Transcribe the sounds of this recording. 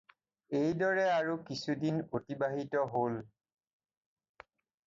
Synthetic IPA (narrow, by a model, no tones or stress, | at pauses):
ejdɔɹɛaɹukisudinotibaɦitɔɦol